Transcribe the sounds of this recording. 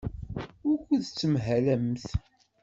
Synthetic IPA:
ʊɾkʷːəðt͡sːəmɦælæmθ

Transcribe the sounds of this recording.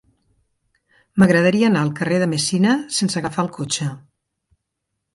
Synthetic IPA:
məɣɾəðəɾiəːnaəlˠkəreðəmesinəsensəɣəfaəlˠkot͡ʃə

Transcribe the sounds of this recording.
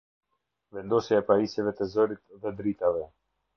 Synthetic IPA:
vɛnd̪ɔsjaɛpaisjɛvɛt̪ɛzɔɾit̪ðɛd̪ɾit̪avɛ

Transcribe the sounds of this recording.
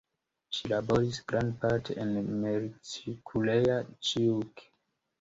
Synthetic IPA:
ʃilaboɹisɡɾãndpatʰeĩnmeɾitikʰulejat͡ʃik

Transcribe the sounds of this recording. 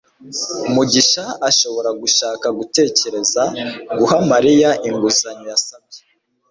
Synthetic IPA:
umuɟiʃaaʃo̞βo̞ɾaɡuʃaːkaɡute̞ːce̞ɾe̞zaɡuhamaɾijaʔiŋɡuzaɲojasab̚je̥

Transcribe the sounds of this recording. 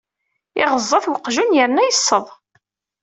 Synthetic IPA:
ɪʁəzˤːɑθwəqʒunjəɾnæjəsˤːəðˤ

